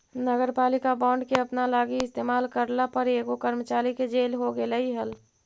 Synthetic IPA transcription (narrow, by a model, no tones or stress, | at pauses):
nəɡəɾpaːlɪkabãːɳɖkeəpnalaːɡiɪst̪eːmaːlkəɾlapəɾeːɡokəɾmət͡ʃaːɾiked͡ʒeːlɦoɡeləiɦəl